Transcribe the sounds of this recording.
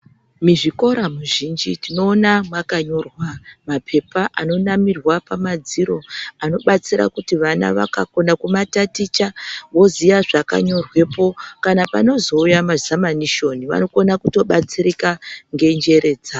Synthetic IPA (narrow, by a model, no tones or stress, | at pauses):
miʐiko̞ɾamuʒind͡ʒitino̞ːnamwakaɲo̞rwamapʰe̞paʔano̞namirwapamad͡ziɾo̞ano̞ɓat͡siɾa̰kutiʋana̰ʋa̰kako̞nakumatatit͡ʃawo̞zijaʐaka̰ɲo̞rwe̞po̞kanapano̞zo̞ujamazamaniʃo̞niʋa̰no̞konakuto̞ɓat͡siɾikaŋɡe̞nd͡ʒe̞ɾe̞ːd͡za